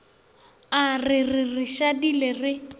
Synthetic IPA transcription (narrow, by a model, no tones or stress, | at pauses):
arɪrɪrɪʃadilerɪ